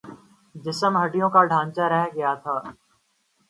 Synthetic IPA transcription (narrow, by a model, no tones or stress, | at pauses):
d͡ʒɪsəmɦɐɖijõkaɖʱãːɲt͡ʃaɾɛɦɡɐjat̪ʰaː